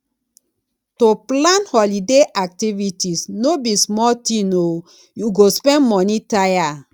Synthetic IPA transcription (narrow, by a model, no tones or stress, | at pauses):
toplãnhɔlideʔak̚tivitisnobismɔltĩno | juɡospɛ̃nmɔnitaja